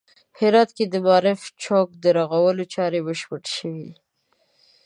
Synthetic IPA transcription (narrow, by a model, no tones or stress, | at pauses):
hɪɾɑt̪ked̪əmɑɾɪft͡ʃok̚d̪əɾɑɣawəlot͡ʃɑɾebəʃpəʈʃəwid̪i